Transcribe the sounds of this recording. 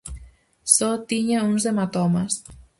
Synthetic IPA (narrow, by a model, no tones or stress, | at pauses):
sot̪iɲaunzðemat̪ɔmas